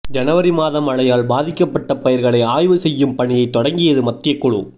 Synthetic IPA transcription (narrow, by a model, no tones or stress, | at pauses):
d͡ʒɐnɐʋɐɾimaːðɐmɐɭɐjaːlbaːðɪkːɐpːɐʈːɐpɐjɐɾɣɐɭɐɪaːjʋɯsɛjːɯmpɐɳɪjɐɪt̪ːɔɽɐŋɡɪjɐðɯmɐt̪ːɪjɐkːʊɻṵ